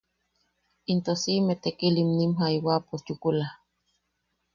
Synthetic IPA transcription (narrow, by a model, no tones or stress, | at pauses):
int̪osimet̪ekilimnimɦaiwaposjukulah